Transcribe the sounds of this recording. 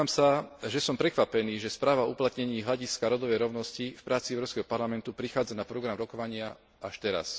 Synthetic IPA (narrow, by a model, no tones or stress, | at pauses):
aːmsaʒɛsɔmpɾɛkʋapɛniːʒɛspɾaːʋauplat̪ɲɛɲiːɦlaɟiskaɾɔd̪ɔʋɛjɾɔʊnɔscifpɾaːt͡siɛʊɾɔʊskɛɦɔpaɾlamɛnt̪upɾixaːd͡zanapɾɔɡɾamɾɔkɔʋaɲɪa | aʃt̪ɛɾa̰s